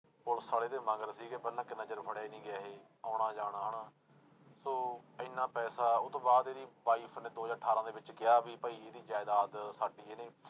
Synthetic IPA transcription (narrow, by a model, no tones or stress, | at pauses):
pʊlsaːɽeːt̪eːmãːɡəɾsiːɡɛːbəllãːkɪnəd͡ʒəɾpʰəɽaːiːnĩːɡɛːɦeː | aːɽ̃aːd͡ʒaːɽ̃aːɦəɳaː | soːɪnːãːpɛːsaːʊt̪ːõːbaːd̪eːɾiːʋaːiːpʰnẽːd̪oːd͡ʒaːʈʰaːɾãːd̪eːʋɪt͡ʃkɪjaːbiːpəiːeːd̪iːd͡ʒaːd̪aːd̪saːɖiːeːneː